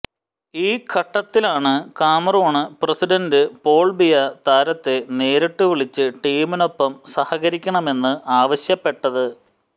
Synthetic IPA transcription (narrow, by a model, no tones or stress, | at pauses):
iːkʰɐʈːɐt̪ːilaːɳɨkaːmɐroːɳɨprɐsiɖɐndɨpo̞ːɭbijɐt̪aːɾɐt̪ːe̞ne̞ːɾiʈːuʋiɭit͡ɕːɨʈiːmino̞pːɐmsɐhɐɣɐɾikʲːɐɳɐme̞nːɨʔaːʋɐɕjɐpːe̞ʈːɐðɨ